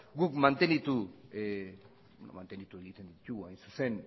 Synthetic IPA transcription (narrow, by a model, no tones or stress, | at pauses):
ɡukmant̪e̞nit̪u | benomant̪end̪it̪ue̞ɣit̪e̞nd̪ic̪uɣuajnsu̥se̞n